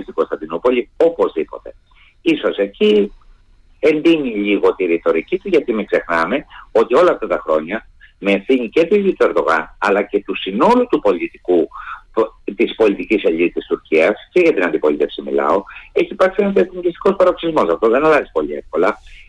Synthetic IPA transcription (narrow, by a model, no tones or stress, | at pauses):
st̪iɡo̞st̪ɐnd̪inopo̞lio̞po̞zðipo̞̰t̪e̞ | iso̞seci | e̞nd̪iniʎiɣo̞t̪iɾit̪o̞ɾicit̪uʝɐt̪imekse̞xnɐme̞o̞t̪io̞lɐːft̪ɐt̪ɐxɾo̞ɲɐ | meːfθiɲice̞t̪izit̪ue̞ɾðo̞ɣɐ̰nɐlɐce̞t̪usino̞lut̪upo̞lit̪iku | t̪ispo̞lit̪iciseʎit̪ist̪uɾciɐsce̞ʝɐt̪inɐnd̪ipo̞lit̪e̞fsimḭlɐ̰o̞e̞çiːpɐɾksienɐseθiɲɟist̪i̥ko̞spɐɾoksizmo̞sɐft̪o̞ðe̞nɐlɐzipo̞ʎie̞fko̞lɐ